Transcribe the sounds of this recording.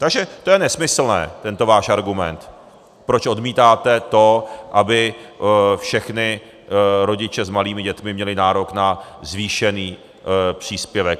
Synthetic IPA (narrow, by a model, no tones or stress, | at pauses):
t̪aɡʒɛt̪o̞jɛnɛsmɪsl̩nɛ̰ːt̪ɛnt̪o̞vaːʃʔaɾɡumɛnt̪ | pɾot͡ʃʔo̞dmiːt̪aːt̪ɛt̪o̞ʔabɪ | fʃɛxnɪ | ɾo̞ɟɪt͡ʃɛzmaliːmɪɟɛt̪mɪmɲɛlɪnaːɾo̞knazviːʃɛniː | pr̝̥iːspjɛvɛk